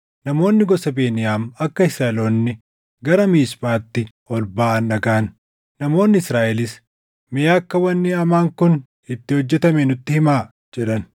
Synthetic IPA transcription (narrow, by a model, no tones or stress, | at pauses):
nɐmo̞ːnːɪɡɔsɐbe̞ːnɪjaːmɐkːɐɪsɐloːnːɪ | ɡɐɾɐmiːsbaːt̪ːɪ | ɔlbaːʔɐnːɐɡaːn | nɐmo̞ːnːɪɪsɾaːʔɛlɪs | mɪjaːkːɐwɐnːɪɐmaːŋkʊn | ɪt̪ːɪhɔd͡ʒːɛt̪ɐmɛnʊt̪ːɪhɪmaː | d͡ʒɛᶑɐn